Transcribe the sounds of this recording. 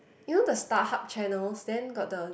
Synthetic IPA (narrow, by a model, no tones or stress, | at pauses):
ivə̃ndəstahap̚t͡ʃɛnəlsdɛ̃nɡɔt̚də